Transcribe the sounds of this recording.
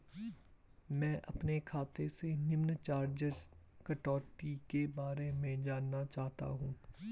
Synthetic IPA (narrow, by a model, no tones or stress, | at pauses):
mɛ̃ːʔɐpnekʰaːt̪esenɪmnt͡ʃaːɾd͡ʒɪzkɐʈɔːʈikebaːɾemẽd͡ʒaːnːat͡ʃaːɦt̪a̰ɦũː